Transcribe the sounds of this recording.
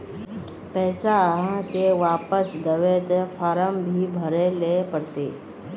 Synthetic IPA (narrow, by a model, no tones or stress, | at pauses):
pɛːsaɦə̃t̪eʋaːpəsd̪əʋet̪efʰaːɾəmbʱiːbʱəɾelepəɽt̪ḛ